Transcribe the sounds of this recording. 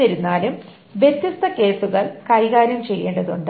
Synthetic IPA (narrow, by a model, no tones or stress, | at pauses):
iɾunːaːlum | ʋje̞t̪ːist̪ʰɐke̞ːsuɣɐɭkɐjɣaːɾɐmt͡ɕe̞jːe̞ːɳɖɐðuɳɖ